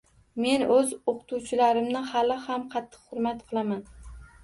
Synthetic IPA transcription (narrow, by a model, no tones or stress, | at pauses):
me̞nɵzoqʰʊ̥t̪ʰuwt͡ʃʰɪlaɾɪmnɪhalɪhamqʰɑt̪ʰːɨ̥qhʊɾmat̪qʰɨlˠaman